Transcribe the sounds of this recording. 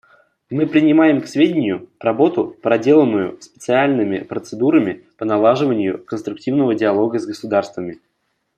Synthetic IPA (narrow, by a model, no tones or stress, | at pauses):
mɨpɾʲɪnʲɪmajɪmksvʲedʲɪnʲɪjʊprɐbo̞t̪ʊpɾɐdʲe̞lˠəmʊjʊspʲɪ̥t̪sɨalʲnɨmʲɪ̰pɾət̪sɨd̪uɾəmʲɪpənɐlˠaʐɨvənʲɪjʊkənst̪ɾʊk̚tʲivnəvədʲɪɐlˠo̞ɡəzɡəsʊd̪arst̪vəmʲɪ